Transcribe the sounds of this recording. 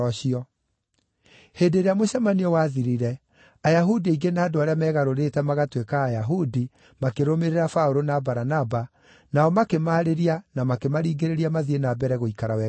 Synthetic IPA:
ɔɕiɔ | hedeɾeamoɕɛmaniɔwaðiɾiɾɛ | ajaɦudiaiɡenaːdoaɾeamɛɣaɾoɾetɛmaɣatwekaːjaɦudi | makeɾomeɾeɾafaoɾonabaɾanaba | naɔmakemaːɾeɾianamakemaɾiːɡeɾeɾiamaðienabɛɾɛɣoikaɾawɛ

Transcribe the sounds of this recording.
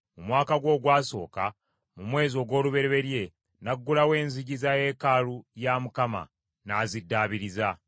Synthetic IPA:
mumwaːkaɡwo̞ːɡwaːso̞̰ːka̰ | mumwe̞ːzo̞ːɡwo̞ːluβe̞ɾeβe̞ɾje̞ | naɡːulawe̞ːnziɟizaje̞ːkalujamukama̰ | nazidːaːβiɾiza

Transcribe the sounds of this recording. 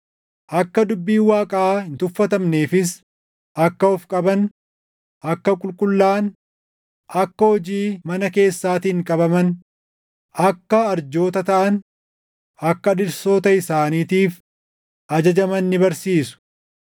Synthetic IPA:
ʔɐkːɐd̪ʊbːiːwaːkʼɐːhɪnt̪ʊfːɐt̪ɐmneːfɪs̬ | ʔɐkːɐɔfkʼɐbɐn | ʔɐkːɐkʼʊlkʼʊlːaːn | ʔɐkːɐhɔd͡ʒiːmɐnɐke̞ːsːaːt̪iːŋkʼɐbɐmɐn | ɐkːɐːɾd͡ʒoːt̪ɐt̪ɐʔɐn | ɐkːɐᶑɪɾso̞ːt̪ɐɪsaːniːt̪iːf | ʔɐd͡ʒɐd͡ʒɐmɐnːɪbɐɾsiːsʊ̥

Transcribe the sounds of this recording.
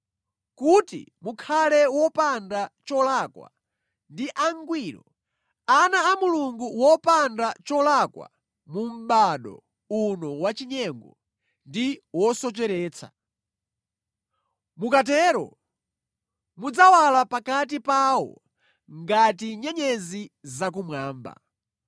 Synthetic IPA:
kutḭmukʰalɛwɔpandat͡ʃɔlakwa̰ | ndiʔaŋɡwiːɾɔ | anaːmuluŋɡuwɔpandat͡ʃɔlakwa̰ | mum̩ɓaɗɔ̰ | unɔwat͡ʃiɲɛŋɡɔ | ndiwɔsɔt͡ʃɛɾɛːt͡sʰa̰ | mukat̬ɛɾɔ̰ | mud͡zawalapakat̬ipawɔ̰ | ŋɡatiɲɛɲɛzizak̬umwaːmba̰

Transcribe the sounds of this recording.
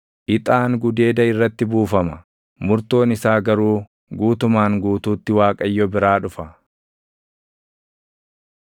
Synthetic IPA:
ʔɪt̪ʼaːŋɡʊd̪e̞ːd̪ɐɪrːɐt̪ːɪbuːfɐmɐ | mʊɾt̪o̞ːnɪsaːɡɐɾuː | ɡuːt̪ʊmaːŋɡuːt̪uːt̪ːɪwaːkʼɐjːɔbɪɾaːᶑʊfɐ

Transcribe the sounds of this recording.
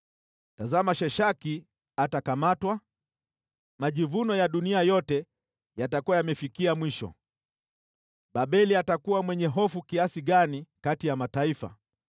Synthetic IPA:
tazamaʃɛʃaki | atakamatwa | maʄivunɔjaɗuniajɔtɛ | jatakuwajamɛfikiamwiʃɔ̰ | ɓaɓɛliatakuwamwɛɲɛɦɔfukiasiɠanikatijamataifa̰

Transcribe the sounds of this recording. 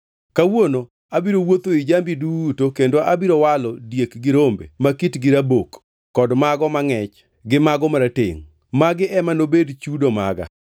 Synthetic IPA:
kawono | abiɾowot̪oid͡ʒambidutokendoʔabiɾowalɔdjekɡɪɾombḛmakitɡɪɾabokː | ɔdmaɡɔmaŋɛt͡ʃ | ɡɪmaɡɔmaɾatḛŋ | maɡɪʔɛmanobedt͡ʃudoma̰ɡa̰

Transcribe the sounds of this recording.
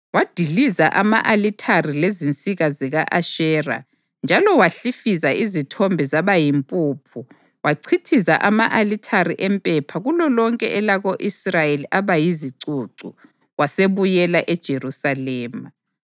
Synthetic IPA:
wad̥ʱilizaʔama̰ʔalitʰarilezint͡sʼiɣaziɣaʔaʃɛːra̰ | nd͡ʒʱalɔwaɬifizaizitʰɔmbʱɛzaβajimpʼuːpʰu | waǀʰitʰizaʔamaʔalitʰaɾiʔɛmpʼɛpʰaɣulɔlɔŋkʼɛ̰ʔɛlaɣoʔisrajeliʔaβajiziǀuǀṵ | waseβujɛlaʔɛd̥ʒ̥ʱerusalɛːma

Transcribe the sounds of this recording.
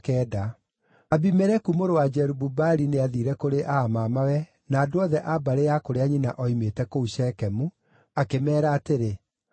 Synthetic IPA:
kɛːda | abimɛɾɛkumoɾowad͡ʒɛɾububaɾineaðiɾɛkoɾeʔaːmamawɛ | naːdoɔðɛʔabaɾejakoɾeaɲina̰ʔɔimetɛkouɕɛkɛmu | akemɛːɾaːteɾe

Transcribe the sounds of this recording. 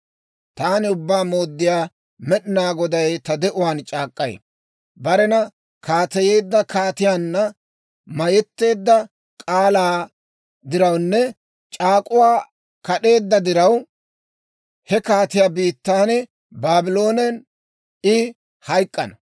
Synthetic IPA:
t̪aːnɪʊbːaːmo̞ːd̪ːɪjaː | mɛɗɪnaːɡɔd̪ɐjt̪ɐd̪ɛʔʊwaːnt͡ʃʼaːkʼːɐj̰ | bɐɾɛnɐ | kaːt̪ɛje̞ːd̪ːɐkaːt̪ɪjaːnːɐ | mɐjɛt̪ːe̞ːd̪ːɐ | kʼaːlaː | d̪ɪɾɐwnːɛ | t͡ʃʼaːkʼʊwaː | kɐɗe̞ːd̪ːɐd̪ɪɾɐw | hɛkaːt̪ɪjaːbiːt̪ːaːnɛ | baːbɪlo̞ːnɛn | ɪ | hɐjkʼːɐ̰nɐ

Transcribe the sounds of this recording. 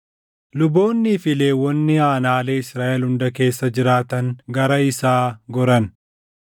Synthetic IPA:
lʊbo̞ːnːiːfɪle̞ːwːɔnːɪaːnaːleːɪsɾaːʔɛlhʊnd̪ɐke̞ːsːɐd͡ʒɪɾaːt̪ɐŋɡɐɾɐɪsaːɡɔɾɐn

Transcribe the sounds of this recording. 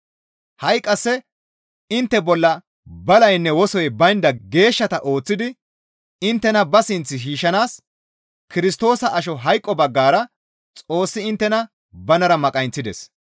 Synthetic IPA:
hɐjkʼːɐsːɛ | ɪnt̪ːɛbɔlːɐ | bɐlɐjnːɛwɔsɔjbɐjnd̪ɐɡe̞ːʃːɐt̪ɐʔo̞ːt͡sːɪd̪ɪ | ɪnt̪ːɛnɐbɐsɪnt͡sːɪʃiːʃːɐnaːs | kɪɾɪst̪o̞ːsɐʔɐʃ̬ɔɦɐjkʼːɔbɐɡːaːɾɐ | t͡sʼo̞ːsːɪɪnt̪ːɛnɐ | bɐnɐɾɐmɐkʼɐjnt͡sːɪd̪ɛs

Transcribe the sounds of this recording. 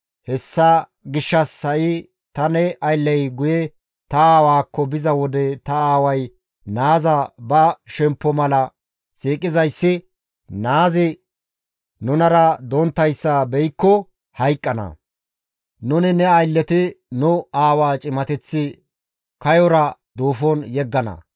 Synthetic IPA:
hɛsːɐ | ɡɪʃːɐsːɐʔɪ | t̪ɐnɛʔɐjlːɛjɡʊjɛ | t̪ɐaːwaːkːɔbɪzɐwɔd̪ɛt̪ɐaːwɐj | naːzɐbɐʃɛmpːɔmɐlɐ | siːkʼːɪzɐjsːɪ | naːzɪ | nʊnɐɾɐd̪ɔnt̪ːɐjsːɐbɛjkːɔ | hɐjkʼːɐnɐ̰ | nʊnɪnɛɐjlːɛt̪ɪnʊaːwaːt͡ʃʼɪmɐt̪ɛt͡sːɪ | kɐjɔɾɐd̪oːfɔnjɛɡːɐnɐ̰

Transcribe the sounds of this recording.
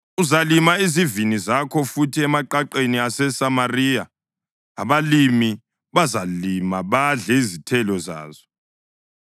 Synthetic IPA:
uzalimaizivinizakʰɔfutʰiɛmaǃaǃeniasɛsamariːjaː | βalimi | βazalimaβaɮɛizitʰɛlɔza̰ːzɔ

